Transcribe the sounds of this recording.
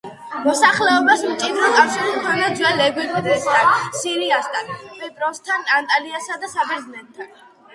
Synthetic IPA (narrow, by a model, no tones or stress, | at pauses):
mɔsaχlɛɔbasmt͡ʃʼid̪ɾɔkʼafʃiɾt̪ʰɔlɔd̪zwalɛɡwikd̪ɛst̪ʰansiɾiast̪ʰanpʰɛt̪ʼɾɔst̪ʰanant̪ʼaliasad̪asabɛɾd̪znɛt̪t̪ʰːan